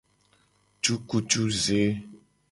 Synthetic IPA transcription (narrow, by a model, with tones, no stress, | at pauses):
t͡ʃu˦ku˦t͡ʃu˦ze˦